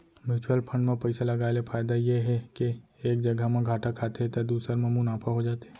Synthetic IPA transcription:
mɪɾt͡ʃuəlpʰə̃ɳɖmẽpɛɪsalɐɡaːelefʰaːjd̪ajeɦɛkeeːk̚d͡ʒɐɡʱamẽɡʱaːʈakʰaːt̪eɦt̪ɐd̪uːsəɾmẽmʊnaːfʰaɦod͡ʒaːt̪eɛ

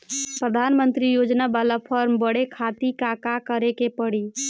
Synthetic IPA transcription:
pɾəd̪ʱanmənt̪ɾijod͡ʒnabalapʰəɾmbəɽekʰat̪ikakakəɾekepəɽi

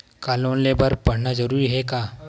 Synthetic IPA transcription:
kalõnlebəɾpəɽ̤ɳazəɾuɾiːɦɛka

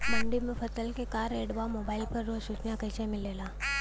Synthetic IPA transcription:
məɳɖimefət̪əlkekaɾeɽʋamobailpəɾːoɕut͡ʃnjakəjsemilela

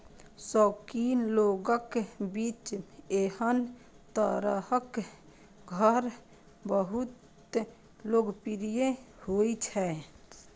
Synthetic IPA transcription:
sɔːkinloɡəkbit͡ʃehən | t̪əɾəɦək | ɡʱəɾ | bəɦut̪ | loɡpiɾijehoit͡ʃʰɛ

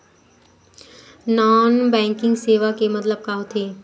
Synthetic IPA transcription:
nɔːnbɛ̃ːŋkɪ̃ŋɡseːʋakemɐt̪ləb̚kaɦot̪ʰeː

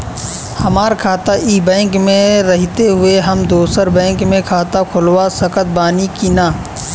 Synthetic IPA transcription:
hɐmaːɾkʰaːt̪aʔiːbɛ̃ːŋkmẽɾɐɦɪt̪eɦʊeɦɐmd̪oːsəɾbɛ̃ːŋkmẽkʰaːt̪akʰʊlwasɐkət̪̚baːnikinaː

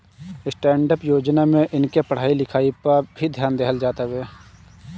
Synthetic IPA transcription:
ɪsʈɛ̃ːɳɖəpjoːd͡ʒnamẽʔɪnkepəɽ̤aːilɪkʰaːipabʱid̪ʱjaːnd̪eːɦəld͡ʒaːt̪aweː

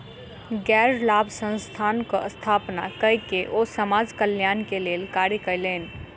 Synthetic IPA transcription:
ɡɛɾlabʱsə̃nst̪ʰankəʔəst̪ʰapna̰kəikeʔosəmad͡ʒkəljankelelkaɾkəɪlen

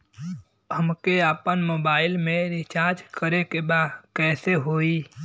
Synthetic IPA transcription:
ɦəmkeaːpənmoːbaːɪlmẽɾit͡ʃaɾd͡ʒkəɾekebad̪kɛːseɦoi

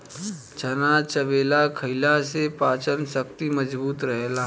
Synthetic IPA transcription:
t͡ʃənat͡ʃəbeːlakʰəɪlasepaːt͡ʃənsək̚t̪iməd͡ʒbuːt̪ɾəɦlaː

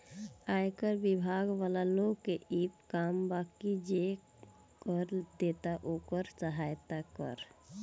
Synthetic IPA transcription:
ajkəɾbibʱaɡʋalaloɡkeip̚kambakid͡ʒe | kəɾd̪et̪aʔokəɾt͡ʃəɦajt̪akə̰ɾ

